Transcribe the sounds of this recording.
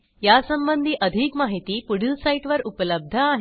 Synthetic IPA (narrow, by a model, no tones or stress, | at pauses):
jasəmbənd̪ʱiːʔəd̪ʱiːkmaɦit̪iːpuɽ̤ilsaiʈʋəɾupləb̚d̪ʱəaɦ